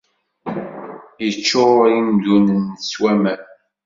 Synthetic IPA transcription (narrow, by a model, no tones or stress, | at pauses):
jət͡ʃːoind̪unənswæmæn